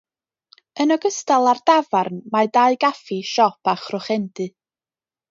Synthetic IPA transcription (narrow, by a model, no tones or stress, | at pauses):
ənɔɡəstalˠardavarnmadaɨɡafiʃɔpʰaχrʊχɛndɨ